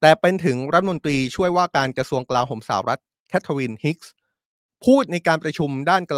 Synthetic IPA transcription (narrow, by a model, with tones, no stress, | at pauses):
t̪ɛː˨˩pe˧nt̪ʰɯ˩˦ŋɾa˦˥˩mo˧nt̪ɾiː˧t͡ɕʰu˥˩əjwaː˥˩kaː˧nkɾa˧su˧əŋklaː˧ŋɦoː˩˦msa̰ː˩˦wɾa˦˥t̪̚ | kʰɛ˦˥t̪ʰːa˧wi˧nhi˦˥k̚s | pʰuː˥˩t̪̚na˧jkaː˧npɾa˧t͡ɕʰu˧mdaː˥˩nkl